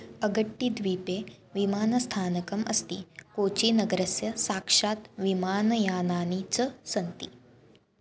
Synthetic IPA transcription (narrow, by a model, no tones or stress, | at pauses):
əɡəʈːid̪ʱʋiːpe | ʋimaːnəst̪ʰaːnəkəməst̪iːkot͡ɕiːnəɡɾəsjɐsakʂaːt̪ʋimaːnəjaːnanit͡səsənt̪i